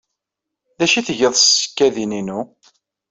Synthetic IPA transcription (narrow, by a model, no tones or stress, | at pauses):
ðæʃiθəʝəðˤsːə̥kːæðininu